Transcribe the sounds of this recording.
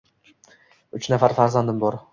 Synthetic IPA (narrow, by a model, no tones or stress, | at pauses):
ʊt͡ʃnafaɾfaɾzand̪ɪmbɒɾ